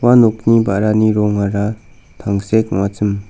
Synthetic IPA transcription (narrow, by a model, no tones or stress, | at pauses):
wanok̚nibaɾaniɾɔŋaɾa | t̪ʰaŋsek̚mat͡səm